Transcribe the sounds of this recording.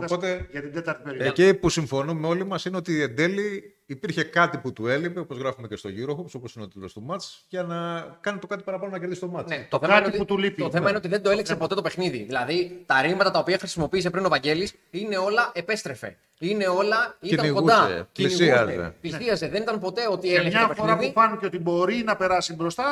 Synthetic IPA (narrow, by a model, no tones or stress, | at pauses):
opo̞t̪eʝɐt̪id̪et̪ɐɾt̪ieðecipusiɱfo̞numeo̞limɐsineo̞t̪iend̪e̞liː | piɾçe̞kɐt̪iput̪uelipe̞opozɣɾɐfumece̞st̪o̞ʝuɾoxopso̞posineot̪ilost̪umɐt̪t͡sʝɐnɐkɐnet̪okɐt̪ipɐɾɐpɐnonɐceɾðist̪o̞mɐnet̪oθeɐinot̪it̪ulipt̪oθeɐineot̪iðend̪oeliksɐpot̪t̪ope̞xniðḭðilɐðit̪ɐɾimɐt̪ɐt̪ɐopiɐxɾisimo̞piːs̬e̞pɾino̞vɐɲɟe̞lis | ine̞o̞lɐʔe̞pe̞st̪ɾe̞fe̞̰ | ine̞o̞lɐitiɐniɣkoud̪ɐḛciniiɐzeḛt̪izðiɐzeðe̞nit̪ɐnpo̞t̪e̞o̞t̪ieleçeɐpeɾɐðufɐniceo̞t̪ibo̞ɾinɐpe̞ɾɐsibɾost̪ɐ